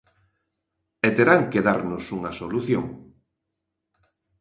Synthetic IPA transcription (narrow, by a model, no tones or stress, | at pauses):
et̪eɾaŋkeðaɾnosuŋɐsoluθjo̰ŋ